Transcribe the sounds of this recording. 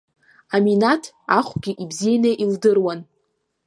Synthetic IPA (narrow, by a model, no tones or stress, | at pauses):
aminatʰ | aχʷɡʲiʔibzijanaʔildɨrwan